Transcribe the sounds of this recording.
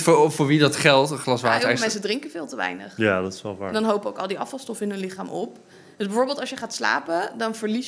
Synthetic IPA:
ffʊːɹʋidɑtχɛlˠtəχlɑsʋaːtəɛmɛnsədrɪŋkəvɪːlˠtəʋɛ̰jnə̰χjadɔtɪ̥sʋɛlˠʋa̰ːdɑnɦowpəowkɑlˠdiɑfɑlˠstɔfəɪnɦɵnlɪχaːmʔɔp̚ | dʏsbɛvʊːɹbeːlˠtɑlˠsjəχaːtsla̰ːpədɑnvəɹli

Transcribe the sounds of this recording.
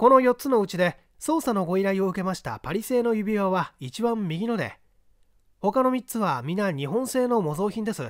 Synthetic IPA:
ko̞no̞jo̞tt͡sɨno̞ɯ̟t͡ɕid̪e̞ | so̞ːsano̞ɡo̞iɾaio̞ɯ̟ke̞maɕi̥t̪a̰paɾʲise̞ːno̞jɯ̟bʲiβaβait͡ɕibãmːʲiɡʲino̞d̪e̞̰ | ho̞kano̞mʲit͡sɨβamʲinaɲ̟iɦõ̞ɰ̃se̞ːno̞mo̞zo̞ːçʲĩnd̪e̞sɨ

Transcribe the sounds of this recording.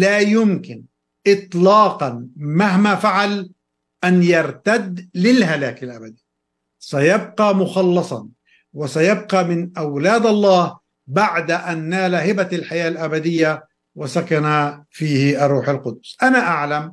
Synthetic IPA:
laːjʊmkɪn | ʔɪt̪ˤlɑːqɑnmaɦmafaʕal | ʔanjɑɾˤt̪ad̪lɪlɦalaːkɪlʔabad̪iː | sajab̚qɑmʊxɑlːɑsˤɑ̰n | wɪsajab̚qɑmɪnʔawlaːd̪ʔɑlˤːɑːh | baʕd̪aʔanːaːlahɪbalħajaːlʔabad̪ɪjːa | wasakanafiːhɪʔɑrˤːuːħalqʊd̪ʊsʔanaʔaʕlam

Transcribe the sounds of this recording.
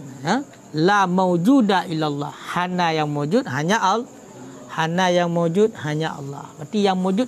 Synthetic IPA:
ja | lamawd͡ʒudailalːɑ̰hhanajaŋmawd͡ʒut̪̚ɦaɲaʔl | hanajaŋmawd͡ʒʊt̪̚haɲaʔɑ̰lːɑ̰hbart̪ijaŋmawd͡ʒu

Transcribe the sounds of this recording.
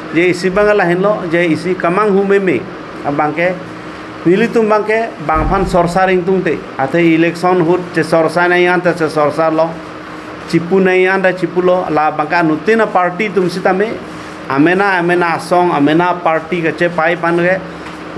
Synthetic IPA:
d͡ʒɛisibaŋalaɦɛnlɔd͡ʒɛisikəmaŋɦumɛmɛ̰ | abaŋkɛ | milit̪umbaŋkɛbaŋpʰansɔɾsaɾiŋt̪̬uŋt̪ɛ | at̪ʰɛilɛksɔnɦut̚t͡ʃɛsɔɾsanaj̃ant̪ɛsɛsɔɾsaɾlɔ | t͡ʃipunajanɖɛt͡ʃipulɔa̰labaŋkaʔnut̪inapaɾʈit̪̬umsit̪amɛ | amɛnaamɛnaːsɔŋamɛnapaɾʈikət͡ʃɛpajpʰanɡɛ

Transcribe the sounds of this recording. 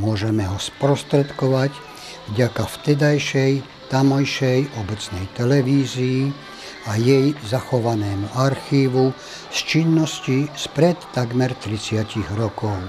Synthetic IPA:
mʊɔʒɛmɛɦɔspɾɔst̪ɾɛt̪kɔʋac | vɟakaft̪ɛd̪ajʃɛj | t̪amɔjʃɛjɔbɛt͡snɛjt̪ɛlɛʋiːzijː | ajɛjzaxɔʋanɛːmuaɾxiːʋu | st͡ʃinːɔscispɾɛt̪ːaɡmɛɾt̪ɾit͡sɪaciɣɾɔkɔʊ

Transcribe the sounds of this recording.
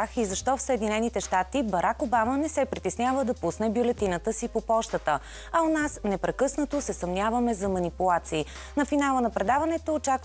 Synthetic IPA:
xizɐʃt̪ɔfsəɛd̪inɛnit̪ɛʃt̪at̪ibɐɾʔakobamənɛsɛpɾit̪ɛsnʲjavəd̪ɐpusnɛbjolɛt̪inət̪əsipopɔʃt̪ət̪ə | ɐonasnɛpɾɛkɤsnət̪osɛsɐmnʲjavəmɛzɐmɐnipulˠat̪siː | nɐfinalˠənɐpɾɛd̪avɐnɛt̪oːt͡ʃak

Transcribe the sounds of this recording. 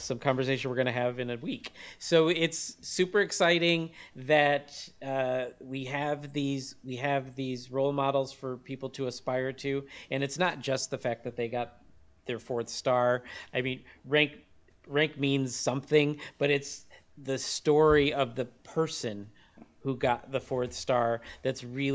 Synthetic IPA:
sʌ̃mkʰɑ̃ɱvə˞s̬eɪʃn̩wəɹɡʌñɨɨvɨ̃nɨwiksoʊɪtsʉpə˞ɨksaɪɾɪ̃ŋðɨt̚ʌwiɨvðizwiɨvðizɹoʊlˠmɑɾl̩ˠz̥fə˞pʰipl̩ˠtʰɨːspaɪə˞ɾʰʉɨ̃nɨtsnət̚d̥ʒ̥ʌst̪̚ðɨfæk̚ðɨt̪̚ðeɪɡɑt̪̚ | ðə˞fɔɹθstɑɹaɪmĩnɹæ̃ŋk | ɹæ̃ŋk̚mĩnz̥sʌ̃mθɪ̃ŋb̥ʌɾɨts | ðɨstɔɹiʌvðɨpʰɜ˞sɨ̃n | huɡɑt̪̚ðəfɔɹθstɑɹðɨtsɹɪ

